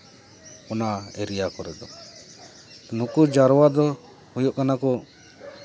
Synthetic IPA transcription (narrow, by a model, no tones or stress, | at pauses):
ɔnaɛɾijakɔɾɛd̪ɔ | nukud͡ʒaɾɔwad̪ɔ | hujɔʔkanakɔ